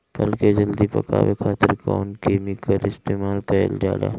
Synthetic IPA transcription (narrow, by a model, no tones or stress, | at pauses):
b̥ɐlked͡ʒɐld̪ipɐ̰ka̰ːwekʰaːt̪əɾkɔːnkeːmɪkəlɪst̪eːmaːlkɐə̰ld͡ʒa̰ːla̰ː